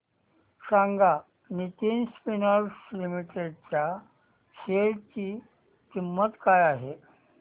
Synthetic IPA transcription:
ɕãŋɡa | nit̪iːnspinəɾslimiʈeɖ̚t͡ɕja | ɕeɭt͡ɕiː | kimːət̪kajaɦe

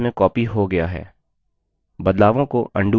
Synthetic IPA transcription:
mẽkɔːpiɦoɡɐjaɦɛ̰ː | bɐd̪laːʋõkoʔɐ̃ɳɖu

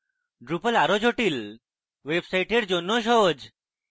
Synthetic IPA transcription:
ɖɾupəlaɾod͡ʑʱoʈil | ʋebsajʈeɽd͡ʑonːoɕ̬ɔd͡ʑ

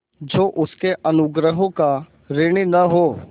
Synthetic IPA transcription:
d͡ʒoːʔʊskeʔɐnʊɡɾəɦõka | ɾeɽ̃inɐɦoː

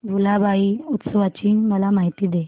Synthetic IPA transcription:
bʱulabʱaiːut̪səʋat͡ɕiːməlamaɦit̪iːd̪e

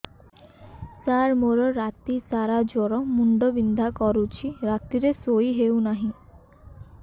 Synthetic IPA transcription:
saɾmoɾɔɾat̪isaɾad͡ʒɔɾɔmuɳɖɔbind̪ʱakɔɾut͡ʃʰiɾat̪iɾesojiɦewnaɦĩ

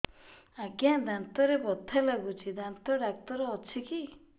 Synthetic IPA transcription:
akjãd̪ant̪ɔɾebɔt̪ʰːalaɡut͡ʃʰid̪ant̪ɔɖak̚t̪ɔɾɔːt͡ʃʰiki

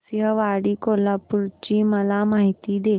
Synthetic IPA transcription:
sɦəʋaɽiːkolapuɾt͡ɕiːməlamaɦit̪iːd̪e

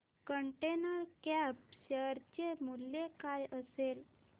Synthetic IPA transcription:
kəɳʈenəɾkɛpɕəɾt͡ɕemuljekajəsel

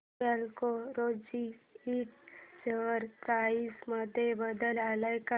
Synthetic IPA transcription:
alkoɾod͡ʑiiʈ̚seʋəɾkaisməd̪ʱːjebəd̪əlalajka

